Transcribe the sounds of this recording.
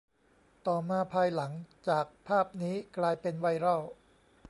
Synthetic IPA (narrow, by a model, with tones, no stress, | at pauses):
t̪ɔː˨˩maː˧pʰaː˧jla˩˦ŋt͡ɕaː˨˩k̚pʰaː˥˩p̚niː˦˥klaː˧jpe˧nwa˧˩jɾɔ˥˩w